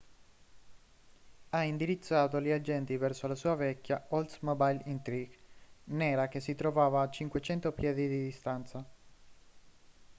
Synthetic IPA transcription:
aind̪iɾit̪sːaːt̪oliad͡ʒɛnt̪ivɛrsolasuːavɛkːjaɔlt̪mɔbajlint̪ɾiɡnɛːɾak̟es̬ːit̪ɾovaːvaːt͡ʃːiŋkwet͡ʃɛnt̪opjɛːd̪id̪id̪ist̪ant̪sa

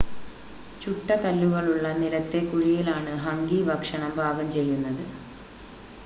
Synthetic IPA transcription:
t͡ɕuʈːɐkɐlːuɣɐɭuɭːɐnilɐt̪ːe̞kuɻijilaːɳɨɦɐŋɡiːbɐkʂɐɳɐmbʱaːɡɐmt͡ɕe̞jːunːɐðɨ

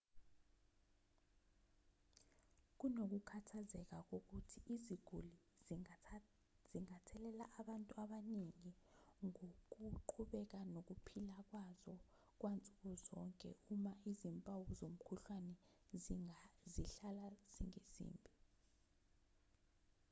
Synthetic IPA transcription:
k̬unok̬ukʰatʰazɛk̬ak̬ʼok̬utʰiiziɡ̥ʱuli | z̥iŋatʰɛlɛla̰ʔaɓantʼuaɓaniŋiŋok̬uǃʰuɓɛk̬anok̬upʰilak̬wazɔ | k̬ʼwʔant͡sʼukɔzɔŋkʼɛ̰umaizimpʼawuzom̩kʰuɬwanɛzziɬalaz̥ḭŋezḭːmbʱi

